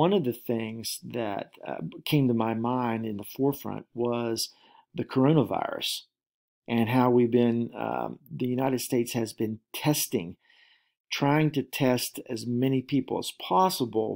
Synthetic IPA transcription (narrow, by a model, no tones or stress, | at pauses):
ʌ̃nʌvðɨθɪ̃ŋz̥ðɨ̰t̚kʰẽɪ̃mtəmaɪmãɪ̃ndɨ̃nðəfɔɹfɹʌ̰̃nʔ̚wʌz | ðɨkʰə˞õʊ̃ñəva̰ɪɹɨ̰s | ʔɨ̃nɦaʊwibɪ̃n̰ | ðɨjʉnaɪɾɨd̥steɪtshɨzbɨ̃ntʰɛstɪ̰̃ŋ | tʰɹ̥aɪɪ̃ŋtɨtʰɛstɨzmɛnipʰipl̩ˠə̰z̥pʰɑsəbl̩ˠ